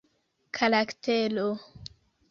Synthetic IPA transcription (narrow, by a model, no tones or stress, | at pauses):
kʰalaktʰelo